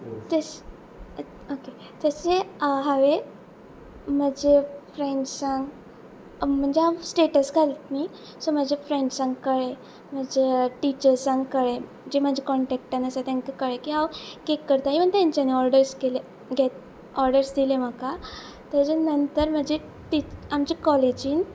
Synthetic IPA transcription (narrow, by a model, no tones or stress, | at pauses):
t̪əs | oke | t̪əseɦaʋe | məd͡ʑefɾeɳɖsãŋɡ | m̤əɳd͡ʑeɦasʈeʈəsɡʱalət̪mi | soməd͡ʑefɾeɳɖsãŋɡkəɭe | m̤əd͡ʑeʈit͡ɕəɾsãŋɡkəɭe | d͡ʑeməd͡ʑʱekɔɳʈɛk̚ʈanəsat̪ãŋkikəɭekiɦawkekːəɾt̪akiʋənt̪jãɲt͡ɕaneɔɾɖəɾskele | ɡʱet̪ | ɔɾɖəɾsd̪ilem̤əka | t̪ad͡ʑenənt̪əɾm̤əd͡ʑe | ʈit͡ɕamd͡ʑikɔled͡ʑiːn